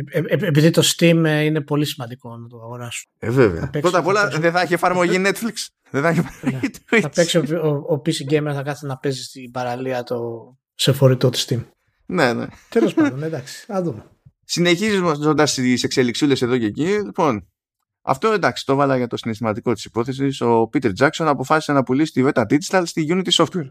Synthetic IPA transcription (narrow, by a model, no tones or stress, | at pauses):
eep̬iðit̪o̞st̪imine̞po̞lisimɐnd̪iko̞nɐt̪oɐɣo̞ɾɐsu̥mevevḛɐɐpekpɾot̪ɐpo̞lɐðeθɐçiefɐɾmo̞ʝine̞t̪fliks | ðeθɐçiefɐɾmoneʝit̪oiθɐpeksiooopisiɟejmeɾsθɐkɐθinɐpe̞zist̪ibɐɾɐliɐt̪o̞ | sefo̞ɾit̪ot̪i̥st̪im | ne̞ne̞̰t̪elospanned̪ɐksi̥nɐðume | sine̞çizumezo̞nd̪ɐsise̞kse̞liksule̞se̞ðo̞ce̞cilipo̞n | ɐ̰ft̪o̞ed̪ɐksi̥t̪o̞vɐlɐʝɐt̪o̞sinesimɐnd̪iko̞t̪i̥si̥po̞θe̞s̬iso̞pit̪e̞ɾd͡zɐkso̞nɐpo̞fɐsi̥se̞nɐpulisi̥t̪ive̞t̪ɐt̪it̪st̪ɐlst̪iʝunit̪iso̞ft̪weɾ